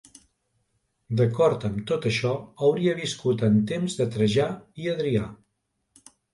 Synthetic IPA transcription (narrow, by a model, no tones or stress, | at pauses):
d̪əkɔɾt̪əmt̪ot̪əʃɔəwɾiəβ̞iskut̪ənt̪emzðət̪ɾəʒaiəðɾia